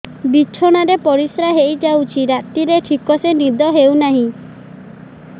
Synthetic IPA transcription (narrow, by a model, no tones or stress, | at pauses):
bit͡ʃʰɔɽ̃aɾepɔɾisɾaɦejd͡ʒawt͡ʃʰiɾat̪iɾeʈʰikɔsenid̪ɔɦewnaɦĩ